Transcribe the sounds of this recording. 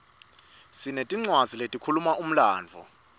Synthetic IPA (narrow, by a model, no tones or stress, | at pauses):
sinetʼiŋ͡ǀwaziletʼikʰulumaʔum̩laːnd͡vʱɔ̰